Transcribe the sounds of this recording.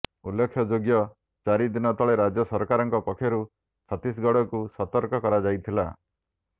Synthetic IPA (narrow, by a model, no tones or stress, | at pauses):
ulːekʰːjɔd͡ʒoɡjɔ | t͡ʃaɾid̪inɔt̪ʰɔɭeɾad͡ʒjɔsɔɾkaɾɔŋkɔpɔkʰːjɔɾu | sʰat̪isɡɔɽɔkusɔt̪ɔɾkɔkɔɾad͡ʒajt̪ʰila